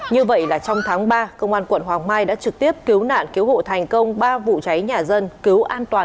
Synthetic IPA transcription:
ɲɨ˧və̰˧˨jlaː˨˩t͡ɕɔ˧wŋ͡mt̪ʰaː˨˦ŋɓaː˧kə˧wŋ͡mʔaː˧nkwə̰˧˩˨nɦwaː˨˩ŋmaː˧jɗa̰ː˧˥t͡ɕɨ˨˩k̚t̪i˦˥əp̚ki˨˦əwna̰ː˧˨nki˨˦əwɦo̰˧˨t̪ʰɛ˨˩jŋ̟kə˧wŋ͡mɓaː˧vṵ˧˨t͡ɕa˨˦jɲaː˨˩zə˧nki˨˦əwʔaː˧nt̪waː˨˩

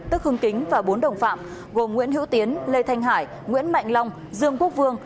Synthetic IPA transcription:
t̪ɨ˦˥k̚hɨ˧ŋkï˨˦ŋ̟vaː˨˩ɓo˨˦nɗə˨˩wŋ͡mfa̰ː˧˨m | ɣo˨˩mŋwḭ˧˥ənɦḭ˧˥wt̪i˨˦ənle˧jt̪ʰa˧jŋɦaː˧˩j | ŋwḭ˧˥ənma̰˧˨jŋla˧wŋ͡m | zɨ˧əŋku˦˥ək̚vɨ˧əŋ

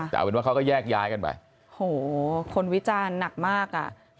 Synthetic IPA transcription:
t̪ʰa̰ː˨˦we˧˦wa˥˩kʰa˦˥˩kɔː˥˩jɛː˥˩k̚jaː˦˥jka˧nba̰˨˩j | hoː˨˩˦kʰo˧nwi˦˥t͡ɕaː˧nːa˨˩k̚maː˥˩k̚ʔa̰˨˩

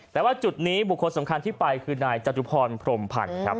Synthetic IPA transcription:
t̪ɛː˨˩waː˥˩t͡ɕu˨˩t̪̚niː˦˥bu˨˩kʰːo˧nsa˩˦mkʰa˧nt̪ʰiː˥˩pa˧jkʰɯː˧naː˧jt͡ɕa˧t̪u˦˥pʰɔː˧npʰɾo˧mpʰa̰˧nkʰɾa˦˥p̚

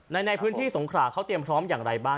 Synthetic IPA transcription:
na˧jna˧jpʰɯ˦˥nt̪ʰiː˥˩so˩˦ŋkʰɾaː˧˩kʰa˦˥wt̪ɾi˧əmpʰɾɔː˦˥mjaː˨˩ŋɾa˧jbaː˥˩

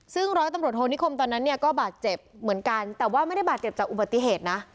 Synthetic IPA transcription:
sɯ˥˩ŋɾɔː˦˥jt̪a˧mɾət̪̚hoː˧ni˦˥kʰo˧mt̪ɔː˧nːa˦˥nːi˥˩əkɔː˥˩baː˨˩t̪̚t͡ɕe˨˩p̚mɯ˩˦ənka˧nt̪ɛː˨˩waː˥˩ma˥˩jda˥˩jbaː˨˩t̚t͡ɕe˨˩p̚t͡ɕaː˨˩k̚ʔu˨˩ba˨˩t̪ːi˨˩ɦeː˨˩t̪̚na˦˥

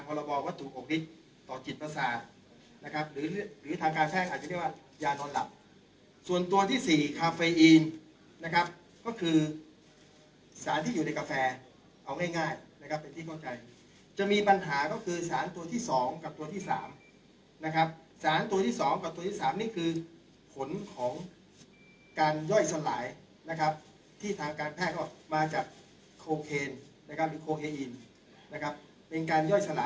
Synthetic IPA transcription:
a˧ŋpʰɔː˧ɾɔ˧bɔː˧wa˦˥t̪ʰːuː˨˩ʔo˨˩k̚wi˦˥t̪̚ | t̪ɔː˨˩t͡ɕi˨˩t̪̚pa˧saː˨˩˦ | na˦˥kʰa˦˥p̚ɾɯː˩˦lɾɯː˩˦t̪ʰaː˧ŋkaː˧npʰɛː˥˩k̚a˨˩t̪̚a˧˦i˥˩waː˥˩ | jaː˧nɔː˧nla̰˨˩p̚ | su˨˩ənt̪u˧ɐt̪ʰiː˥˩siː˨˩kʰaː˧feː˧ʔiː˧n | na˦˥kʰa˦˥p̚ | kɔː˥˩kʰɯː˧ | saː˩˦nt̪ʰiː˥˩˨uː˨˩na˧jka˧fɛː˧ | ʔa˧wŋaː˥˩jŋaː˥˩jna˦˥kʰa˦˥pːe˧nt̪ʰiː˥˩kʰa˥˩wt͡ɕa˧j | t͡ɕa˨˩miː˧pa˧nɦaː˩˦kɔː˥˩kʰɯː˧saː˩˦nt̪u˧ɐt̪ʰiː˥˩sɔː˩˦ŋka˨˩p̚t̪u˧ɐt̪ʰiː˥˩sa̰ː˩˦m | na˦˥kʰɾa˦˥p̚saː˩˦nt̪u˧t̪ʰiː˥˩sɔː˩˦ŋka˨˩p̚t̪u˧ət̪ʰiː˥˩saː˩˦mniː˥˩kʰɯː˧ | pʰo˩˦nkʰɔː˩˦ŋ | kaː˧njɔ˥˩jsa˧laː˩˦j | na˦˥kʰɾa˦˥p̚ | t̪ʰiː˥˩t̪ʰaː˧ŋkaː˧npʰɛː˥˩t̪̚kɔː˥˩maː˧t͡ɕaː˨˩k̚ʰː | oː˧kʰeː˧n | na˦˥kʰa˦˥p̚lɯː˨˦kʰoː˧kʰeː˧ʔi˧n | na˦˥kʰɾa˦˥p̚ːe˧nkaː˧njɔ˥˩jsa˧la̰ː˨˦

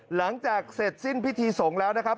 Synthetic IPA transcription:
la˩˦ŋt͡ɕaː˨˩k̚se˨˩t̪̚si˥˩npʰi˦˥t̪ʰiː˧so˩˦ŋlɛː˦˥wna˦˥kʰa˦˥p̚

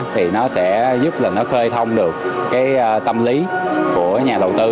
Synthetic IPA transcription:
t̪ʰi˨˩nɔ˨˦sɛ̰˧˥zu˦˥p̚laː˨˩nɔ˨˦xəː˧jt̪ʰə˧wŋ͡mɗɨ˨˩ək̚kːaː˨˦jt̪ə˧mli˨˦ku˧˩əɲaː˨˩ɗə˨˩wt̪ɨ˧

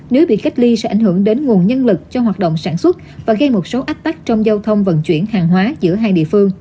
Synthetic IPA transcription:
ne˨˦wɓḭ˧˨ka˦˥k̚li˧sɛ̰˧˥ʔa˧˩ŋ̟hɨ˧˩əŋɗe˨˦nŋu˨˩ənɲə˧nlɨ˨˩k̚t͡ɕɔ˧ɦwaː˨˩t̚ɗo̰˧˨wŋ͡msaː˧˩nswə˦˥t̚vaː˨˩ɣə˧jmo˨˩t̚so˨˦ʔa˦˥t̚t̪a˦˥k̚t͡ɕɔ˧wŋ͡mza˧wt̪ʰə˧wŋ͡mvə̰˧˨nt͡ɕwḭ˧˩ənhaː˨˩ŋɦwaː˨˦zɨ̰˧˥əɦaː˧jɗḭ˧˨əfɨ˧əŋ

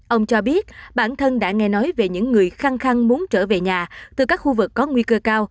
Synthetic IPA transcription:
ʔə˧wŋ͡mt͡ɕɔ˧ɓi˦˥ət̚ɓaː˧˩nt̪ʰə˧nɗa̰ː˧˥ŋɛ˧nɔ˨˦jve˨˩ɲɨ̰˧˥ŋːɨ˨˩əjxa˧ŋxa˧ŋmu˨˦ənt͡ɕəː˧˩ve˨˩ɲaː˨˩t̪ɨ˨˩kaː˦˥k̚xu˧vɨ˨˩kːɔ˨˦ŋwi˧kəː˧kaː˧w

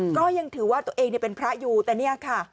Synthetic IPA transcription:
kɔː˥˩ja˧ŋt̪ʰɯː˩˦waː˥˩t̪u˧˩ɐʔeː˧ŋni˥˩ɐpe˧npʰɾa˦˥juː˧t̪ɛː˨˩ni˥˩ɐkʰa˥˩

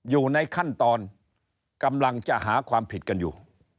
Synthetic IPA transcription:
juː˨˩na˧jkʰa˥˩nt̪ɔː˧n | ka˧mla˧ŋt͡ɕa˨˩ʔhaː˩˦kʰwaː˧mpʰi˨˩t̪̚ka˧njṵː˨˩

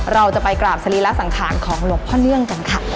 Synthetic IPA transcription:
ɾa˧wt͡ɕa˨˩pa˧jklaː˨˩p̚sa˧liː˦˥la˦˥sa˩˦ŋkʰaː˨˩˦nkʰɔː˩˦ŋlo˨˧˦ŋ̚pʰɔː˥˩nɯ˥˩əŋka˧nkʰa˥˩

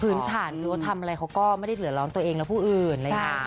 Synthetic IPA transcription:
pʰɯː˦˥nt̪ʰaː˩˦nkʰɯː˧wa˦˥t̪ʰa˧mʔa˧ɾa˧jkʰa˦˥wkɔː˥˩ma˥˩jda˥˩lɯ˩˦lɔː˦˥nt̪u˧ɐʔeː˧ŋlɛː˦˥wpʰuː˥˩ʔɯː˨˩nɾa˧aː˧˦˩

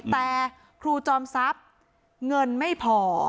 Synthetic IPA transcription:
t̪ɛː˨˩ | kʰɾuː˧t͡ɕɔː˧msa˦˥p̚ | ŋɤ˧nma˥˩jpʰɔː˩

